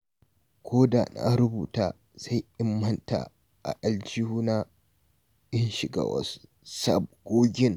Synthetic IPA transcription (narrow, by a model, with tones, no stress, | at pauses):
kʷʰoː˦da˨na̰˦ɾʊ˦buː˨taː˨ | z̥a˦jʔɪ˦mːɐ˦nta̰˨ | ʔa̰˨ʔa˨ld͡ʒɪ˦huː˦naː˦ | ʔɪ˦nʃɪ˨ɡa̰˨wɐ̰˦su̥˨sɐ̰˦˨b̚ɡ̥ʷoː˦ɡʲɪ˦ŋ